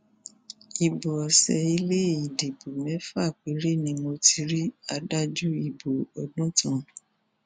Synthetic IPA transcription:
i˨bo˨ɔ˨sɛ˨i˧le˦i˨de˨bu˨mɛ̃˨˦fa˦˨k͡pe˨˦ɾe˦˨nĩ˧mo˧ti˧ɾi˦a˧da˦d͡ʒu˦i˦˨bo˨ɔ˨dũ˦tũ˦˨

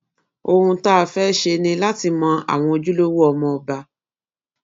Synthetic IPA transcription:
o˧hũ˧ta˦a˨fɛ˦ʃe˧nĩ˧la˦ti˧mɔ̃˧a̰˨w̃ɔ̃˧o˧d͡ʒu˦lo˦wu˦ɔ˧mɔ̃˧ɔ˨ba˧

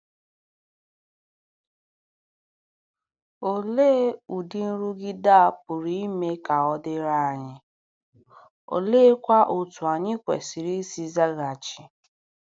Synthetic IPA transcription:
o˨le˦u˨dɪ˦n̩˦ɾu˦ɡɪ˦da˦a˨pʊ˨ɾi˨˦i˦me˦ka˨ɔ˦dɪ˦ɾa˦a˨ɲɪ˦ | o̰˨le˦kʷa˦ʔo˨tu˨a˨ɲɪ˦kʷḛ˨si˨ɾi˦si˦za˦ɣa˨t͡ʃɪ˨

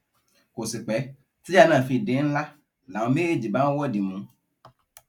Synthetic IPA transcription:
ko˨si˨k͡pɛ˨˦ | t̪i˦a˦nã˨fi˨ɖe˨˦ŋ̩̃˦la˦ | la˨õ˨me˦e˦d͡ʑi˨bã˦wɔ˦di˨mũ˨˦

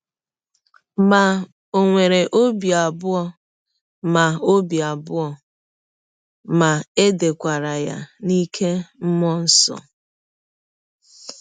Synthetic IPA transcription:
ma˨ | o˨ŋʷe˨ɾe˨ʔo˦bi˨a˨bʊ˦ɔ˨ | ma˨o˦bi˨a˨bʊ˦ɔ˨ | ma˨e˦de˨kʷa˨ɾa˨ja̰˦ni˦kʰe˦m̩˦mɔ˦n̩˦sɔ̰˨

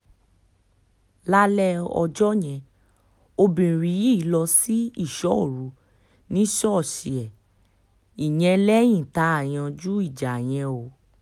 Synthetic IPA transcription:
la˦lɛ˦ɔ̰˧d͡ʒɔ˦j̃ɛ̃˧ | o˧bĩ˨ɾi˨ji˦˨˦lɔ˧si˦i˦˨ʃɔ˦o˨ɾu˨˦ | nĩ˦ʃɔ˦˨ʃi˨ɛ˨ | i˨j̃ɛ̃˧lɛ˦j̃ĩ˦˨ta˨˦a˦˨j̃ã˧d͡ʒu˦i˦˨d͡ʒa˨j̃ɛ̃˧o˨

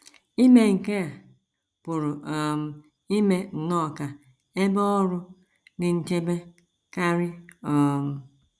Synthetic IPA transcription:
i˦me˨ŋ̩˨ke˦a˨ | pʊ˨ɾʊ˨ʔɔ˨m̩˨ | i˦me˦n̩˨nɔ˦˨ka˨ | e˦bɔ˦ɔ˦ɾʊ˦ | nɪ˨n̩˨t͡ʃe˦be˦ | ka˦ɾɪ˦ɔ˨m̩˨

